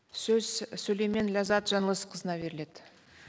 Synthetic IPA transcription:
sɵz̥sulejmenlʲazɑt̪ʒɑnəlˠəsqʰəzənɑbe̞ɾɪle̞d̪̥ɪ

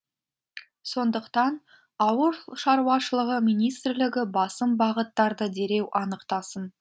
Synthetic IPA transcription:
so̞nd̪əqt̪ɑn | ɑwəɾʃɑɾuwɑʃəlˠəʁəmʲijnijst̪ɾlɪɡʲɪbɑsəmbɑʁət̪ːɑɾd̪əd̪e̞ɾe̞wʔɑnəqt̪ɑsən

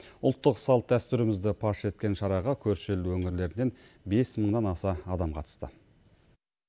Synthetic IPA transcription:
ʊlˠt̪ːəqsɑlˠt̪̚d̪æst̪ʏɾɪmɪzd̪ɪpʰɑʃe̞t̪̚kʲe̞nʃɑɾɑʁɑkʲʰɵɾʃelwɵŋɪɾle̞ɾɪne̞nbe̞sməɴd̪ɑnɑsɑɑd̪ɑmqʰɑ̰t̪ə̥st̪ə̰

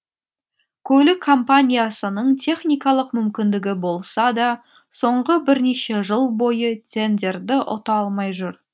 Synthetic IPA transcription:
kʲʰɵlɪkʰːo̞mpanʲijasənəɴt̪ʰe̞χnijkɑlˠəqmʏmkʲɪnd̪ɪɡʲɪbo̞lˠsɑd̪ɑ | so̞ɴʁəbɪɾne̞ʃe̞ʒəlˠbo̞jət̪ʲʰe̞nd̪ʲe̞ɾd̪ɪʔʊ̰t̪ɑlˠmɑjʒʊɾ

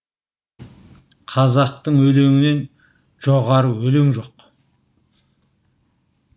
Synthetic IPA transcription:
qʰɑzɑq̚t̪əɴwɵleŋɪne̞n | ʒ̥o̞ʁɑɾəwɵle̞ŋʒo̞q

